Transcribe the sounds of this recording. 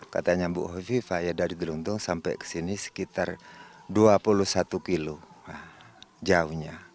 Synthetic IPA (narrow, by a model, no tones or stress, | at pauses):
ka̰t̪aɲabṵʔɦɔfifajadaɾid̪əlund̪uŋsampɛ̰jkə̥sinisə̥kit̪arduapulusat̪ukiluad͡ʒauɲa